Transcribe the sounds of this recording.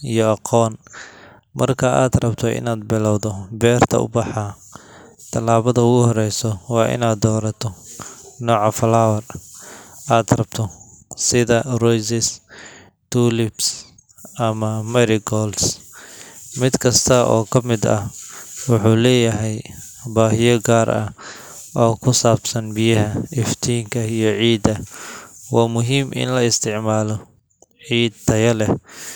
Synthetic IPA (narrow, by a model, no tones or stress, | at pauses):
ijɔɑqʰɔːn | mɐrkʰɐaːd̪rɐbt̪ʰɔʔɪ̰naːd̪̚bɪlɐwðɔbɛːrt̪ʰɐʊ̰bɑħɑ | t̪ʰɐlaːβɐðɐʊɣʊɦɔɾɛjsɔwɑːʔɪ̰naːd̪ɔːɾɐt̪ʰɔnɔːʕɑfɐlaːwɐr | aːd̪rɐb̥t̪ʰɔ | sɪðɐrɔjsɪs | t̪ʰuːlɪbs | ʔɐmɐmɛɾɪɡɔːls | mɪd̪kʰɐst̪ʰɐʔɔ̰ːkʰɐmɪd̪ɐ̰hwʊħuːlɛːjɐɦɛj | baːɦɪjɔɡaːɾʔɐ̰h | ʔɔːkʰʊsaːbsɐnbɪjɐɦɐɪft̪ʰiːŋkʰɐijɞʕiːd̪ɐ | waːmʊɦiːmʔɪ̰nlɐɪst̪ʰɪʕmaːlɔ | ʕiːd̪t̪ʰɐjɐlɛ